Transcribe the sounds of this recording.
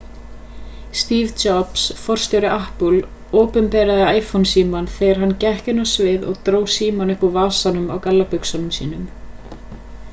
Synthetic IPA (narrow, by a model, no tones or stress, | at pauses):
st̪iːvt͡ʃɔpsfɔr̥st̪ɔwɾɪʔahpul | oːpʏnpɛːɾaðɪaːjfɔnsiːmanθeːjɣaɾ̥ɦanːcɛhcɪnːasvɪðɔ̰ɣt̪ɾoːwsiːmanʏhpavaːsanʏmawkalːapʏksanʏmsḭːnʏm